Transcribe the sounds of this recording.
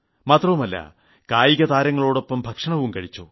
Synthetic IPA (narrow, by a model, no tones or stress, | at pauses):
maːt̪rɐʋumɐlːɐ̰ | kaːjiɣɐðaːɾɐŋːɐɭoːɽo̞pːɐmbʱɐkʂɐɳɐʋumkɐɻit͡ɕːo̰ː